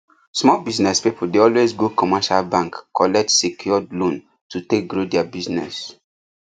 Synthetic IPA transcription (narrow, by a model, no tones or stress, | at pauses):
smɔbiznɛspipʰdeɔlwezɡokɔmaʃalbãŋkːɔlɛk̚tsekʰjɔdlõn | tutek̚ɡɹodɛabiznɛ̰s